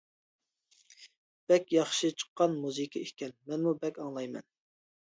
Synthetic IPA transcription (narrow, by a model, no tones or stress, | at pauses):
b̥ɛkʲjɑχʃɨt͡ʃʰə̥qːɑnmuzɨkʲʰiikʲɛnmɛnmubɛkʲɑŋlˠɑjmɛ̰n